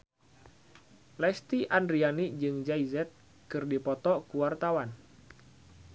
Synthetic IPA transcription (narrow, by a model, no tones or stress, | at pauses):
lɛst̪iʔandɾianid͡ʒɨŋd͡ʒaizɛt̪̚ | kɨrdipɔt̪ɔkuwart̪awan